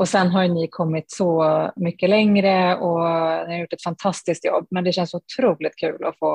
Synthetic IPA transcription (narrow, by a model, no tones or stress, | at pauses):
ʔɔsɛnːɦɑɾjnɪkʰɔmːɪt̪sɔmʏkːəlɛŋɾəɔnɪɑɾjʊʈːɛt̪fɑnt̪ʰɑst̪ɪsk̚t̪jɔ̰bːmɛnd̪ɛɕɛnsɔʊt̪ʰɾuːlɪt̪̚kʰʉːlɔfoː